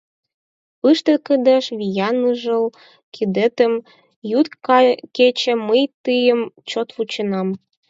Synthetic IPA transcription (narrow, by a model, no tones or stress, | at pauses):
ɯʃt̪ə̆kəd̪əʃβijɑnəʒəl | kʰid̪et̪ə̆m | jut̪kɑket͡ɕə̆məjt̪ɯjə̆mt͡ɕot̪βut͡ɕə̆nɑm